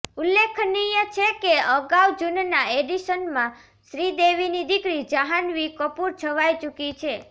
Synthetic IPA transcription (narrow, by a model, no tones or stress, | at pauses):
ulekʰnijət͡ʃʰekeəɡawd͡ʒunnaeɖiʃənmã | ʃɾid̪eʋinid̪ikɾid͡ʒəɦanʋikəpuɾt͡ʃʰəʋajt͡ʃukit͡ʃʰe